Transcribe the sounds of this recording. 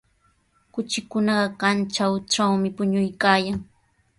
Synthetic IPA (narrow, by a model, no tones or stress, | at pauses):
kʊt͡ʃɪkʊnɑɢɑkant͡ʃawʈ͡ʂawmɪpʊɲʊjkaːjaŋ